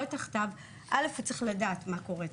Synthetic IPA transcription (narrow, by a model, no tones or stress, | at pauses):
taχtav | ʔalefet͡sʁiχladaːtmako̞ʁe